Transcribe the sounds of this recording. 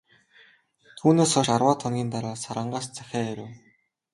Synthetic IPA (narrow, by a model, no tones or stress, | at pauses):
t̪ʰuːneːsɔʃarwaːt̪ʰɔnɡʲiːnt̪aɾaːsaɾə̆ɴɢaːst͡sʰæxʲaːeɾʲow